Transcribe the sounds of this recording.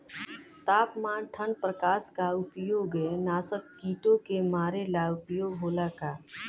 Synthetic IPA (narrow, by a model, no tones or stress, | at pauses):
t̪aːpmãːnʈʰəɳpɾəkaːskaʊpjoːɡenaːsəkːiːʈõkemaːɾelaʊpjoːɡɦoːlakaː